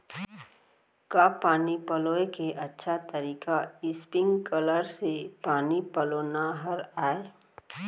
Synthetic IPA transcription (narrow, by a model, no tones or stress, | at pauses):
kaːpaːnipəloːekeʔɐtːʃʰat̪əɾiːkaɪspɪ̃ŋɡkələɾsepaːnipəloːnaɦəɾaːe